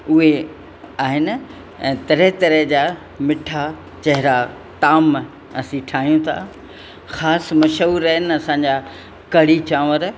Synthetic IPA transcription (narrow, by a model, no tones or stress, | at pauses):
ʊɦe | aːɦɪn | ɛ̃ːt̪ɐɾət̪ɐɾəɦd͡ʑaː | mɪʈʰa | t͡ɕɐɦɪɾa | t̪aːm | ɐsĩʈʰaːɦijũt̪ʰa̰ | xaːsmɐʃɦuːɾəɦɪnɐsãːɲ̆d͡ʑa | kɐɽ̤it͡ɕãːʋəɾ